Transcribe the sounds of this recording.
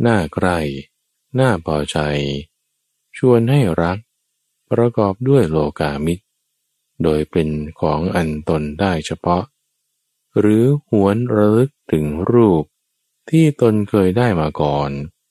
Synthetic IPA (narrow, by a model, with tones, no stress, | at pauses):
naː˥˩kʰɾa˥˩j | naː˥˩pʰɔː˧t͡ɕʰa˧j | t͡ɕʰu˧ənɦa˥˩jɾa˦˥k̚ | pɾa˧kɔː˨˩p̚du˥˩əjloː˧kaː˧mi˦˥t̪̚ | doː˧jpe˧nkʰɔː˩˦ŋʔa˧nt̪o˧ndaː˥˩jt͡ɕʰa˧pʰɔ˦˥ʔ | ɾɯː˩˦hu˩˦ənɾa˧lɯ˦˥k̚t̪ʰɯ˩˦ŋɾuː˥˩p̚ | t̪ʰiː˥˩t̪o˧nkʰɤː˧jdaː˥˩jmaː˧kɔː˨˩n